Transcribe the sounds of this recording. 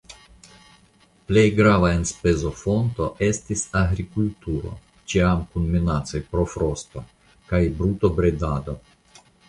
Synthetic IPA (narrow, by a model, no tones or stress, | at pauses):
ple̞jɡɾavae̞nspe̞zo̞fo̞nto̞ʔe̞stisaɡɾikultuɾo̞̰ | t͡ʃiamkunminat͡so̞jpɾo̞fɾo̞sto | kajbɾutobɾedad̪o̞